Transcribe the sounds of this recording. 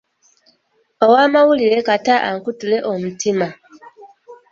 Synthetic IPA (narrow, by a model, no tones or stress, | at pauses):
owaːmawuliɾe̞kataʔaŋkutule̞ʔomutima